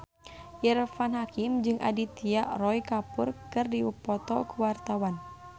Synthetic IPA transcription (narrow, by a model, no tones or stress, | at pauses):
ʔirfanɦakimd͡ʒɨŋʔa̰dit̪iaʔrɔikapurkɨrdiupɔt̪ɔ̰kuwart̪awan